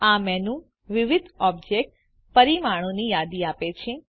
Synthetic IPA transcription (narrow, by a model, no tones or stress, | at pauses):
amɛnũ | ʋɪʋɪd̪ʱɔb̚d͡ʒek̚ʈ | pəɾimaɽ̃õnijad̪iapet͡ʃʰẽ